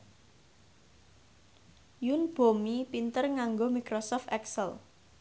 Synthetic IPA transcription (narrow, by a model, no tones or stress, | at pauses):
junb̥o̤mipint̪ərŋaŋɡomikɾosɔft̪ɛksəl